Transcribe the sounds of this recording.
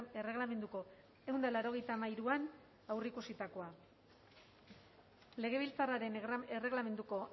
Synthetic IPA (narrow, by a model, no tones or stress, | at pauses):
ere̞ɣlame̞nd̪uko̞ | e̞und̪alaɾo̞ɣe̞jt̪amajɾuan | awrikusit̪ako̞a | le̞ɣ̞e̞β̞ilt͡saraɾe̞nere̞ɣlame̞nd̪uko̞